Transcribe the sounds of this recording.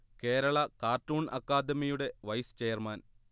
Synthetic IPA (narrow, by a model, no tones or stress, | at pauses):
ke̞ːɾɐɭɐkaːrʈːuːɳʔɐ̰kːaːd̪ɐmijuɽe̞ʋɐjst͡ɕeːjɐrmaːn